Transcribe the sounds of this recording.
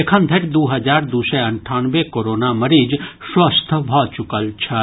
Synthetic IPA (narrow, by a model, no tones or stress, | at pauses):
ekʰə̃nd̪ʱeʈd̪uːɦɐd͡ʒaːɾd̪useɐɳʈʰaːnʋekoːɾoːnamɐɾiːd͡ʒswɐst̪ʰbʱɔːt͡ʃʊkəlt͡ʃʰɐ